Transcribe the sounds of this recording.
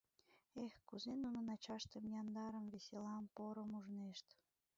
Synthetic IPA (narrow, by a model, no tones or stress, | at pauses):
exkuzenunə̆nɑt͡ɕɑʃt̪əmjɑnd̪ɑɾəmveselɑmpoɾə̆muʒneʃt̪